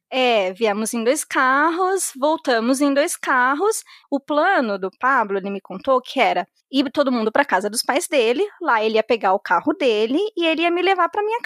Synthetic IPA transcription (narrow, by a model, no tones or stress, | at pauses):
ɛviɐ̃mʊzẽj̃d̪ojskaɦʊsvowt̪ɐ̃mʊzẽj̃d̪ojskaɦʊsʊplɐ̃nʊd̪ʊpablʊelɪmɪkõnt̪okʰɪɛɾɐ | it̪od̪ʊmũnd̪ʊpɾɐkazɐd̪ʊspajzd̪elɪlaelɪiɐpeɡaʊkahʊd̪elɪːelɪiɐmɪlevaɾpɾɐmĩɲɐk